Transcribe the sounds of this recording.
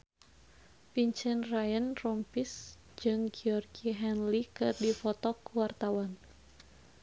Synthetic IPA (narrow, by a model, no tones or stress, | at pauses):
piɲt͡ʃənrajənrɔmpis | d͡ʒɨŋɡiɔrɡiɦɛnlikɨrdifɔt̪ɔkuwart̪awan